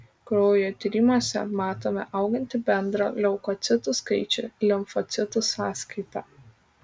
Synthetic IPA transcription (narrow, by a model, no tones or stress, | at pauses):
kɾoːjoːt̪ʲiˑɾʲɪmoːsʲɛ̰mɑːt̪oːmʲɛ̰ʔɐʊɡɐnʲt̪ʲɪbʲɛnd̪ɾɐːlʲɛʊkɔt̪sʲɪt̪ʊskɐɪt͡ʃʲʊ̰lʲɪmfɔt̪sʲɪt̪ʊsɑːskɐɪp̪ɑː